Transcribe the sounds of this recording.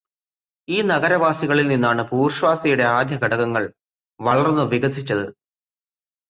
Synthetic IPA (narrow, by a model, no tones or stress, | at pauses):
iːnɐɣɐɾɐʋaːsiɣɐɭilninːaːɳɨpuːrɕʋaːsɐjuɽe̞aːd̪ʱjɐɡɐɽɐɣɐŋːɐɭ | ʋɐɭɐrnːɨʋiɣɐsit͡ɕːɐðɨ